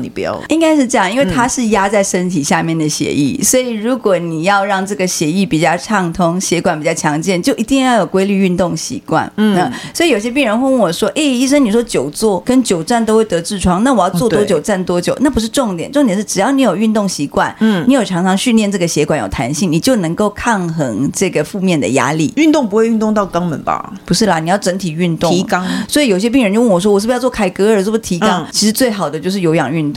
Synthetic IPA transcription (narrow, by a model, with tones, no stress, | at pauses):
i˥ŋka˥ɪʂ̬ɻ̩˥˧ʈ͡ʂɤ˥˧jɑ˥˩ŋi˥nwe˥˧ɪt̪ʰa˥ʂɻ̩˥˩ja˥t͡sa˥˩ɪʂə˥nt̪ʰi˨˩ɕja˥˧mjɛ˥˩nd̪ə˩ɕjɛ̰˧˥ʔḭ˥˩swɔ˧˥i˨˩ɻu˧˥kwɔ˨˦ni˨˩jɑ˥˧ʊɻɑ˥˧ŋʈ͡ʂɤ˥˩ɡə˩ɕjɛ˧˥i˥˩pi˨˩t͡ɕjɑ˥˧ʊʈ͡ʂʰɑ˥˩ŋt̪ʰʊ˥ŋɕjɛ˧˥kwa˨˩npi˨˩t͡ɕjɑ˥˩ʊt͡ɕʰjɑ˧˥ŋt͡ɕjɛ˥˧nt͡ɕjo˥˩ʊʔi˧˥t̪i˥˧ŋjɑ˥˩ʊjo˨˩kwe˥ɪly˥˧y˥˧nt̪ʊ˥˩ŋɕḭ˧˥kwa̰˩nə˨˩swɔ˧˥i˨o˨˩i˩jɛ˥p̬i˥˩ŋɻə˧˥nxə˥˧n˥˩wɔ˨˩ʂwɔ˥ʔe˥˩ɪi˥˩ʂ̬ə˥ŋni˨˩ʂwɔ˥t͡ɕjo˨˩ʊt͡swɔ˥˩kə˥nt͡ɕjo˨˩ʊt͡sa˥˩nt̪o˥ʊxwe˥˩ɪt̪ɤ˧˥ʈ͡ʂɻ̩˥˩ʈ͡ʂʰwɑ˥ŋna˥˩wɔ˨˩jɑ˥˧t͡swt̪wɔ˥˧t͡ɕjo˨˩ʊt͡sa˥˩nt̪̬wɔ˥t͡ɕjo˨˩˦na˥˩pu˧˥ʂɻ̩˥˧ʈ͡ʂʊ˥˩ŋt̪jɛ˨˩nʈ͡ʂo˥ŋt̪jʂɻ̩˥˩ʈ͡ʂɻ̩˨˩jɑ˥˩ʊni˧˥jo˨˩ʊy˥˧nt̪ʊ˥˩ŋɕi˧˥kwa˥˩n˩i˧˥jo˨˩ʈ͡ʂʰɑ˧˥ŋʈ͡ʂʰɑ˧˥ŋɕy˥˧nljɛ˥˧nʈ͡ʂɤ˥˩ɡə˩ɕjɛ˧˥kwa˨˩˦njo˨˩tʰa˧˥nɕi˥˩ŋni˨˩t͡ɕjo˥˩ʊnɤ˧˥ŋko˥˧ʊkʰa˥˩ŋxɤ˧˥ŋʈ͡ʂɤ˥˩ɡə˩fu˥˧mjɛ˥˩nd̪ə̰˩ja̰˥lḭ˥˩y˥˧nt̪ʊ˥˨ŋp̬u˧˥we˥˧ɪy˥˧nt̪ʊ˥˧ŋt̪ɑ˥˩ʊkɑ˥ŋmə̰˨˦nbɐ̰˨˩pu˧˥ʂɻ̩˥˩ɐ˩ni˨˩jɑ˥˩ʊʈ͡ʂə˧˥nt̪ʰi˨˩y˥˧nt̪ʊ˥˧˥swɔ˧˥i˧˩jo˨ʊi˩ɕjɛ˥pi˥˧ŋɻə˧˥t͡ɕo˥˧ʊwwɔ˨˩ʂ̬wɔ˥wɔ˨˩ʂɻ̩˥˩˧jɑ˥˧ʊt͡swɔ˥˩kʰa˥ɪkɤ˥ə˞˨˩t͡swɔ˥˩˧t̪ʰi˧˥kɑ˥˦ŋt͡ɕʰi˧˥ʂ̩˧˥t͡swe˥˩ɪxɑ˨˩ʊd̪ə˦t͡ɕjo˥˧ʂɻ̩˥˩jo˧˥ʊjɑ̰˨˩ŋy˥˧nt̪ʊ˥˨